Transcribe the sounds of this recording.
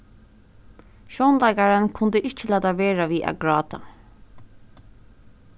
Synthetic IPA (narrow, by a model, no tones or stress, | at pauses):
ʃɔːnlɑɪkaɹənkʰʊnd̪əʔɪt͡ʃːəlæːt̪ɑʋeːɹaʋiːʔæ̰ɡɹɑːt̪a̰